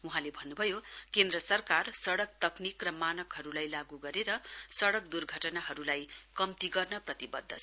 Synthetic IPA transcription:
uɦãlebʱʌnːubʱʌjokend̪rʌsʌrkarsʌɽʌkt̪ʌknikrʌmanʌkɦʌɾulajlaɡuɡʌɾeɾʌsʌɽʌk̚d̪urɡʱʌʈʌnaɦʌɾulajkʌmt̪iɡʌrnʌprʌt̪ibʌ̰d̪ʱːʌ̰

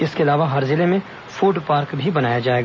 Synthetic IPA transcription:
ɪskeɐlaːʋaɦɐɾzɪlemẽ | fuːɖpaːɾkbʱibɐnaːjad͡ʒaːeːɡaː

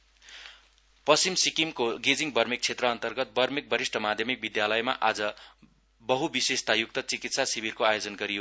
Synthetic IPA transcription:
pʌst͡simsikimkoɡed͡ziŋbʌrmik̚t͡sʰet̪rʌːnt̪ʌrɡʌt̪̚bʌrmik̚bʌɾisʈʰʌmad̪ʱjʌmik̚bid̪jalʌjmaʔad͡zʌ | bʌɦubisest̪ajuk̚t̪ʌt͡sikit̪sasibirkoajod͡zʌnɡʌɾijo

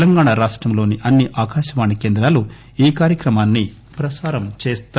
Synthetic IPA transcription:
lɐŋɡaːɳaɾaːʂʈɾɐmlo̞ːniʔɐnːiʔaːkaːʃɐʋaːnikeːnd̪ɾaːlu | iːkaːɾjɐkɾɐmaːnːi | pɾɐsaːɾɐmt͡ʃeːst̪

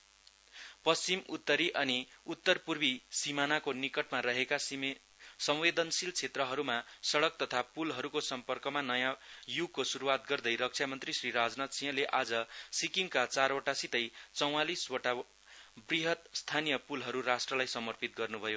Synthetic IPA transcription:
pʌst͡simut̪ːʌɾiʔʌniut̪ːʌrpurbisimanakonikʌʈmaɾʌɦeka | sʌmwed̪ʌnsilt͡sʰet̪rʌɦʌɾumasʌɽʌk̚t̪ʌt̪ʰapulɦʌɾukosʌmpʌrkʌmanʌjãjuɡkosuɾuwat̪ɡʌrd̪ʌjɾʌk̚t͡sʰjamʌnt̪risriɾad͡znat̪sĩjʌ̃leʔad͡zʌsikiŋkat͡saroʈasit̪ʌjt͡sʌw̃aliswʌʈa | briɦʌt̪̚st̪ʰanijʌpulɦʌɾuɾasʈrʌlajsʌmʌrpit̪̚ɡʌrnubʱʌjo

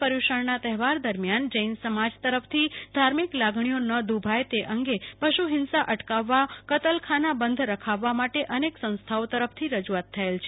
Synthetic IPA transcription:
pəɾuʃəɳnat̪ɛɦɛʋaɾd̪əɾmjand͡ʒəinsəmad͡ʒt̪əɾəpʰt̪ʰid̪ʱaɾmiklaɡɳijonəd̪ubʱajt̪eʔəŋɡepəʃuɦɪnsaʔəʈkaʋːakət̪əlkʰanabənd̪ʱɾəkʰaʋːamaʈeʔəneksə̃ñst̪ʰaot̪əɾəpʰt̪ʰiɾəd͡ʒuat̪ʰːəelt͡ʃʰe

